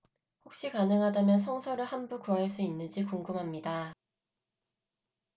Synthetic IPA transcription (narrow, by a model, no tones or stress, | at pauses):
hok̚ɕ͈ikanɯŋɦadamjʌnsʰʌŋsʰʌɾɯɭhanbukuɦaɭs͈uinːɯnd͡ʑikuŋɡɯmɦamɲida